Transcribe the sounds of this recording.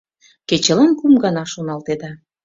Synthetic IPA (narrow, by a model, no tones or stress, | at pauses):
ket͡ɕə̆lɑnkumɡɑnɑʃonɑlt̪ed̪ɑ